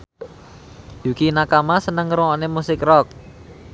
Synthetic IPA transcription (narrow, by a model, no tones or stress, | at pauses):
jukinakamasənəŋɾuŋɔʔnemusɪkrɔk̚